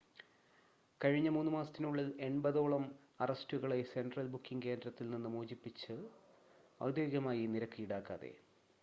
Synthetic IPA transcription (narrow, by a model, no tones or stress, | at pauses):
kɐɻiɲːɐmuːnːɨmaːsɐ̥t̪ːinuɭːile̞ɳbɐðo̞ːɭɐm | ɐrɐstuɣɐɭe̞se̞ndrɐlbukːiŋke̞ːndrɐt̪ːilninːɨmuːd͡ʑipːit͡ɕːɨ | ɐ̰wd̪jeːɡɐmaːjiniɾɐkːijiɽaːkːa̰ːðḛ